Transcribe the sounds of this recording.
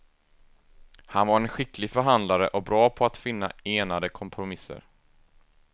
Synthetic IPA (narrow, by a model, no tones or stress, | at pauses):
hanvaɾɛnɧɪklɪɡfœɾɦand̪laɾə̰ʔɔbɾɑːpʰɔat̪fɪnːa̰eːnad̪əkʰɔmpʰɾʊmɪsːə̰ɾ